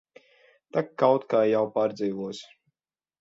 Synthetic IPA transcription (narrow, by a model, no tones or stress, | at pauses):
t̪akkːawt̪kaːjawpaːɾd̪ziːvuɔsʲ